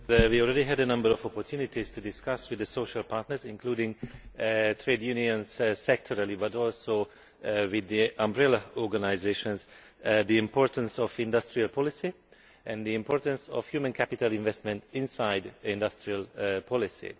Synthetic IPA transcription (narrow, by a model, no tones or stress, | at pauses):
wiɔlˠɹɛɾiɦædənʌ̃mbəɾɔvɔpɔɹtʰjunɪtiz̥tʰudɪskʌswɨðəsoʊʃəlpʰaɹtnə˞zɪ̃nkʰl̥udɪ̃ŋ | tʰɹedjuniə̃nz̥sɛk̚tʰɔɹəlibʌtɔlˠsoʊ | wɪðiʔãmbɹɛlaɔɹɡanaɪzeʃə̃nz | ðiɪ̃mpɔɹtə̃nsɔvɪ̃ndʌstɹialˠpʰɔlɪsi | ʔɛ̃nðiɪ̃mpʰɔɹtə̃nsɔ̰v̥hjuːmə̃nkʰæpɪtəlɪ̃ɱvɛstmɛ̃ntɪ̃nsaɪdɪ̃ndʌstɹialpʰɔlɪsḭ